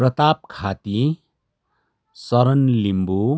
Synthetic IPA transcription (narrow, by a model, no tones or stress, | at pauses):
prʌt̪ap̚kʰat̪i | sʌɾʌnlimbu